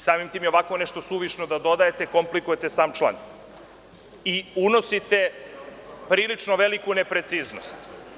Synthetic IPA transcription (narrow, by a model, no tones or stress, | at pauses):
saːmimt̪iːmjeoakʋoneʃt̪osuʋiʃnod̪ad̪o̞d̪ajet̪eko̞mplikujet̪esaːmt͡ʃlˠa̰n | iuno̞sit̪e | pɾiːlit͡ʂnoʋelikunepɾe̞t̪siːznost̪